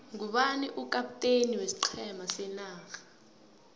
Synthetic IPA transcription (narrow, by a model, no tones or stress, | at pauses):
ŋɡuɓaniʔukʼapʼutʼeniwesi̥ǃʰɛmasɛnaːxḁ